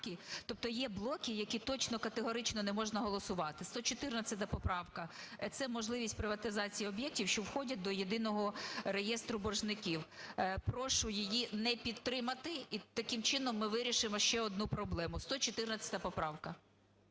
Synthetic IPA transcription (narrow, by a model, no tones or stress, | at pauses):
kʲɪt̪ɔp̚t̪ɔjɛblˠɔkʲɪjɐkʲit̪ɔt͡ʃnɔkɐt̪eɦɔɾɪt͡ʃnɔnɛmɔʒnɐɦɔlˠɔsʊʋɑt̪ɪst̪ɔt͡ʃɔt̪ɪrnɐt͡sʲɐt̪̬ʲɐpɔpɾɑwkɐt̪sɛmɔʒlˠɪʋʲisʲtʲpɾɪʋɐt̪ɪzɑt͡sʲijiɔbjɛk̚tʲiwʃt͡ʃɔwxɔdʲɐd̪ɔjed̪ɪnɔɦɔrejɛst̪ɾʊbɔrʒnɪkʲiwpɾɔʃʊjijinɛpʲid̪̚t̪ːɾɪmɐt̪ɪit̪ɐkɪmt͡ʃɪnɔmːɪʋɪɾʲiʃɪmɔʃt͡ʃɛɔd̪̚nupɾɔblˠɛmʊst̪ɔt͡ʃɔt̪ɪrnɐt͡sʲɐ̥t̪ʲɐpɔpɾɑwkɐ